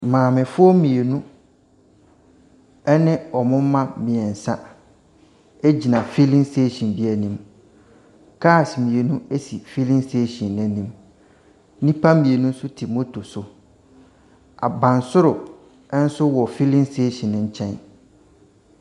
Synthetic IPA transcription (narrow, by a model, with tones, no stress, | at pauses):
mãː˨mɪ̃˨fʊ˦ɔ˦mĩ˨e˨nũ˦ | ɛ˦nɪ̃˦ɔ˨mʊ̃˦mã˦mĩ˨ɛ˨n̩˨sã˦ | e˦d͡ʑi˨nã˨fi˦lĩ˦nste˦ɕĩ˨nbi˦æ˨nĩ˨m | kʰa˦˨smĩ˨e˨nũ˦e˦si˨fi˦lĩ˦nse˦ɕɔ̃˨nːɛ̃˦nĩ˦m | nĩ˦pʰa˦mĩ˨e˨nũ˦n̩˦sʊ˦tʰi˨mo˦tʰo˨sʊ˨ | a̰˨bã˨n˨sʊ˦ɾʊ˨˦ | n̩˦sʊ˦wɔ˨fi˦lĩ˦nste˦ɕĩ˨nɪ̃˨ɲ̩˦t͡ɕʰɛ̃˦n